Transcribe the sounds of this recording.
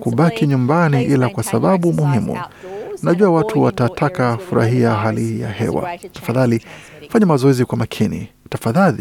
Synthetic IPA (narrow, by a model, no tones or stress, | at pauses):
kuɓakiɲumbaniʔilakwasaɓaɓumuhimṵnaʄuawatʰuwatatʰakafuɾa̰ɦiaɦalija̰hɛ̰wa̰tḁfaðali | faɲamazɔɛzikwamakʰinḭ | tafaðali